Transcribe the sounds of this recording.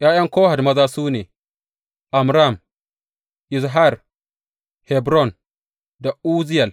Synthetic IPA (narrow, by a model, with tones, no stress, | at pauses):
jaː˦jɐ˦ŋkoː˦ha˨dmɐ˦zaː˦suː˦neː˨ | ʔa˨mɾa˦˨m | ʔɪ˨sɦa˦˨ɾ | hɛ˨bɾɔ˦˨n | da˨ʔuː˦zɪ˦ja˨l